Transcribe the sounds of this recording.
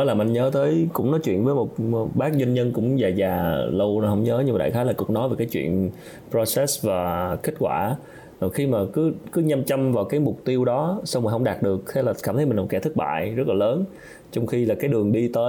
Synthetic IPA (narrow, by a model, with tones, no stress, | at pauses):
ə˨˦laː˨˩mʔnɲəː˨˦t̪ʰəː˨˦jkʊ̰˧˥ŋ͡mnɔ˨˦jt͡ɕwḭ˧˨ənvəː˨˦mo˨˩t̚ɓaː˦˥k̚zi˧nɲə˧nkʊ̰˧˥ŋ͡mzaː˨˩zaː˨˩lə˧whə˧˥wŋ͡mɲəː˨˦ɲɨ˧maː˨˩ɗa̰ː˧˩t̪ʰaː˨˦laː˨˩kʊ˨˩k̚nɔ˨˦jveː˨˩kaː˨˦t͡ɕwḭ˧˨ən | pɾo˧sɛ˦˥svaː˨˩ki˦˥k̟̚kwa̰ː˧˩ | ɔ˨˩xi˧maː˨˩kɨ˨˦kɨ˨˦ɲa˧mt͡ɕa˧mvaː˨˩wkaː˨˦jmʊ˨˩k͡p̚t̪i˧əwɗɔ˨˦sa˧wmaː˨˩ɦə˧wŋ͡mɗaː˨˩t̚ɗɨ˨˩ək̚t̪ʰa˧˩laː˨˩kaː˧˩mt̪ə˨˦mi˨˩˨kːɛ˧˩t̪ʰk̚ɓa̰ː˧˨jzə˦˥t̚laː˨˩ləː˨˦n | t͡ɕɔ˧wŋ͡mxi˧laː˨˩kaː˨˦jɗɨ˨˩əŋɗi˧t̪əː˨˦